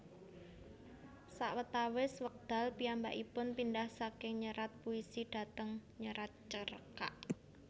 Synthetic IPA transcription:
saʔwət̪awɪswək̚d̪̥a̤lpiambaʔipʊnpindahsakɪŋɲəɾat̪̚puisiɖ̥a̤t̪əŋɲəɾat̪̚t͡ʃəɾəka̰ʔ

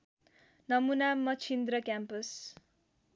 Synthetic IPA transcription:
nʌmunamʌt͡sʰind̪rʌkjampʌs

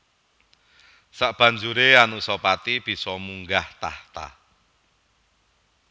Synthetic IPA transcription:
saʔb̥ä̤ɲd͡ʒuɾeanusɔpat̪ib̥i̤sɔmuŋɡaht̪a̰ht̪a̰

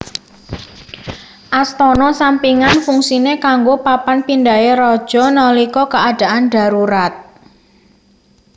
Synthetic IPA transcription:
ʔast̪ɔnɔsampiŋanfuŋsinekaŋɡopapanpindaeɾɔd̥ʒ̥ɔ̤nɔlikɔkəad̥a̤ʔanɖ̥a̤ɾuɾat̪̚

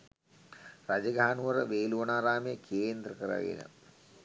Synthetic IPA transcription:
rad͡ʒəɡaanuʋɐɾəʋeːluʋɐnaːɾaːmejəkʰeːnd̪rəkəɾa̰ɡḛnə̰

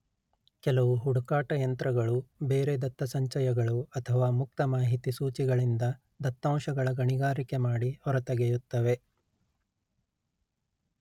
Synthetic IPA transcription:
kɛlɐʋuɦuɽukaːʈɐjɐnt̪ɾɐɡɐɭube̞ːɾed̪ɐt̪ːɐsɐɲt͡ʃɐjɐɡɐɭuɐt̪ʰɐʋaːmuk̚t̪ɐmaːɦit̪isuːt͡ʃiɡɐɭind̪ɐ | d̪ɐt̪ːaːmʃɐɡɐɭɐɡɐɳiɡaːɾikemaːɽihɔɾɐt̪ɐɡejut̪ːɐʋe̞

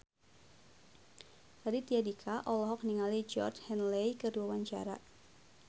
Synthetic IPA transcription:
tadit̪iadikʰaʔɔlɔɦɔk̚niŋalid͡ʒɔ̰rt͡ʃhɛnlejkəduawaɲt͡ʃa̰ɾa

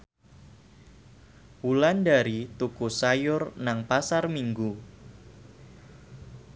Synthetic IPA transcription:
wulandaɾit̪ukusajʊrnaŋpasarmiŋɡu

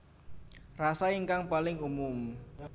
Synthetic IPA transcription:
rasaiŋkaŋpalɪŋumʊm

